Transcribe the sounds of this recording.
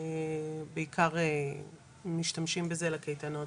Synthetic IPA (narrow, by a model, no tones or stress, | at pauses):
beikʰaʁe | miʃtamʃimbeze̞lakejtano̞